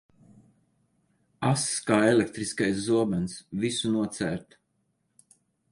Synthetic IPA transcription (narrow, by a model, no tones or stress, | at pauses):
asskaːelek̚t̪ɾiskajs̬zuɔbansvisunuɔt̪sæːɾt̪